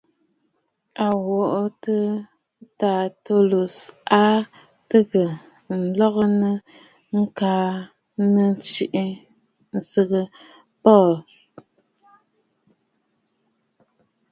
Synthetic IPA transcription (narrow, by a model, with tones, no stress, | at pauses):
a˨wɔ˨ʔtɨ˦ | ta˨to˦lu˨sa˦ | tɨ˦ɣə˨ | n̩˨lɔ˦ɣə˦nə˦ | ŋ̩˦kaː˦ | nə˦n˦t͡ʃi˦ʔi˦ | n̩˨sɨ˨ɣɨ˦ | pɔ˦˨l